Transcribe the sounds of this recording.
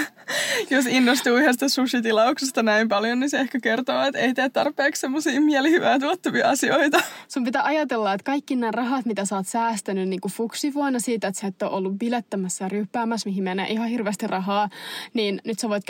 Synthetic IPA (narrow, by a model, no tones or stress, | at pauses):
josinːost̪uːyhest̪æsusit̪ilɑuksest̪ɑnæimpɑljonniseehkækert̪oːet̪eit̪eæt̪t̪ɑrpeːkssemːosiːmiælihyʋæːt̪uot̪ːɑʋiɑɑsioit̪ɑsumpit̪æʔɑjɑt̪elːɑet̪kɑikːinæːrɑɦɑt̪mit̪æsɑːt̪sæːst̪ænynniːŋkufuksiʋoinɑsiːt̪et̪set̪ːoʔolːuʋʋilet̪ːæmæsːæryːpːæːmæsmiɦimenːḛːʔiɦɑhirʋeːst̪irrʔɑɦɑːniːnnyt̪seʋoit̪